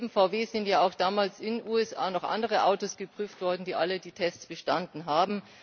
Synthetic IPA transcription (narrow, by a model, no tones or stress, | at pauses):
bm̩faʊveːzɪntjaːaʊxd̥aːmaːlsɪnʔuːɛsʔa̰ːnɔχʔa̰ndəʁəʔaʊtoːsɡ̥əpʁ̥yːftv̥ɔɐdn̩diːʔalədiːtʰɛst͡sb̥əʃtandn̩ɦaːbm̩